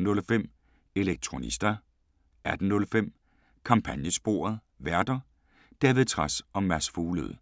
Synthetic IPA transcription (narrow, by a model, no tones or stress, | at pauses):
n̩ɔ̽lfem̰ | e̝leɡ̥̚t͡sʰʁo̝nḭsd̥ɐ | æd̥n̩nːɔ̽lfem̰ | kʰɑ̈mpʰænjəsb̥o̝̰ːɐð̩ˠ | ʋæɐd̥ɐ | d̥æːʋið̩ˠt͡sʰʁasɒ̽mːæsfuːləð̞̩̰ˠ